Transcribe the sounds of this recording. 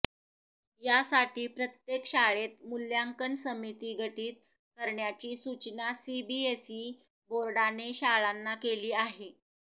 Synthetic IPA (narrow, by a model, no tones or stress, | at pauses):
jasaʈiːpɾət̪jekɕaɭet̪̚muljaŋkəɳsəmit̪iːɡʱəʈiːt̪̚ | kəɾɳjat͡ɕiːsut͡ɕnasibiesiː | boɾɽaneɕaɭanːakeliːaɦi